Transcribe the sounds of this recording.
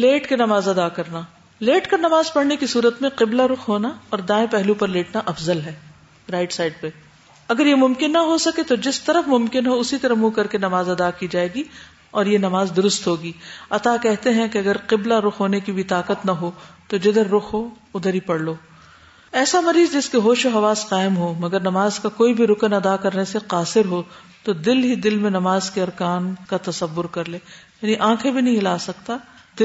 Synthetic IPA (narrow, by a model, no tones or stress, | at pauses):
leːʈkenɐmaːzɐd̪akɐɾnaː | leːʈkɐnɐmaːzpɐɽnekisuːɾət̪mẽqɪblaɾʊxɦoːnaɔːɾd̪ãːẽpɛɦlupɐɾleːʈnaʔɐfzəlɦɛː | ɾaːɪʈsaːɪɖ̚pe | ɐɡəɾjemʊ̃mkɪnːɐɦosɐket̪od͡ʒɪst̪ɐɾəfmʊmkɪnɦoʊsit̪ɐɾəmukɐɾkenɐmaːzɐd̪akid͡ʒaːeːɡi | ɔːɾjenɐmaːzd̪ʊɾʊst̪ɦoːɡiːɐt̪akɛɦt̪eɦɛ̃keɐɡəɾqɪblaɾʊxɦoːnekibɪt̪aːqət̪nɐɦot̪od͡ʒɪd̪əɾːʊxʰɦo | ʊd̪ʱəɾipɐɽloː | ɛːsamɐɾiːzd͡ʒɪskeɦoːʃoɦɐʋaːsqaːɪmɦomɐɡəɾnɐmaːzkakoːibʱiɾʊkənɐd̪akɐɾneseqaːsɪɾɦo | t̪od̪ɪlɦid̪ɪlmẽnɐmaːzkeɐɾkaːnkat̪ɐsɐʋːʊɾkɐɾleːjaːniʔãːkʰebʱinɐɦĩlaːsɐkt̪ad̪ɪ